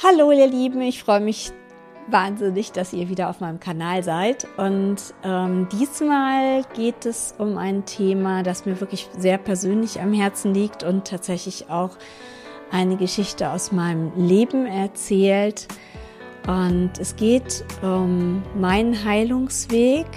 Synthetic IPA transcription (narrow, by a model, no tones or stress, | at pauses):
haloːliːɐliːbm̩ɪçfʁ̥ɔʏəmɪç | vaːnzɪnɪçd̥asḭːɐviːdɐaʊfmaɪnəmkʰanaːlzaɪtʔʊntʔɛːmd̥iːsmaːlɡ̥eːtɛsʊmʔa̰ɪntʰeːmadasmiːɐvɪɐklɪçzeːɐpʰɛɐzøːnlɪça̰mhɛɐt͡sn̩liːktʊntʰːaːtz̥ɛçlɪçaʊx | ʔaɪnəɡəʃɪçtəa̰ʊsmaɪnəmleːbm̩ɛɐt͡sɛːlt | ʔʊntɛsɡ̥eːtʔʊmːaɪnnɦaɪlʊŋsv̥eːk